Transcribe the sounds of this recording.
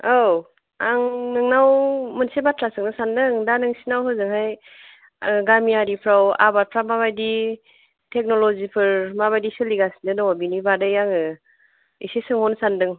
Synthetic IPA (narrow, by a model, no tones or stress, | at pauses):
aw | aŋnɯŋnawmɯnsebatɾasɯŋnɯsandɯŋdanɯŋsinawɦɯzɯŋɦaj | ɡamiaɾipʰɾawa̰baɾ̚pʰɾamaβajdi | tʰek̚nɔlɔzipʰɯɾmaβajdisɯliɡasindɯnɔwabinibadɯjaŋɯ | ḭsesɯŋhɔnsandɯŋ